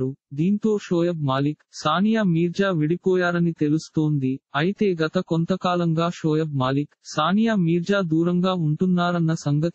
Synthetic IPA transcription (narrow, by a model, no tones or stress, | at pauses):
ɾud̪iːnt̪o̞ːʃoːjɐbmaːliksaːnijaːmiːɾd͡ʒaːʋiɽipɔːjaːɾɐnit̪e̞lust̪oːnd̪iɐjit̪e̞ːɡɐt̪ɐkont̪ɐkaːlɐŋɡaːʃoːjɐbmaːliksaːnijaːmiːɾd͡ʒaːd̪uːɾɐŋɡaːuɳʈunːaːɾɐnːɐsɐŋɡɐt̪